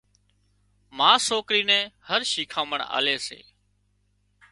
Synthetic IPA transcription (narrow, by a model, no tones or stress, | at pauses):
mãːsoːkɾiːnɛ̃ːhəɾʃiːkʰãːməɳa̰ːleːsḛː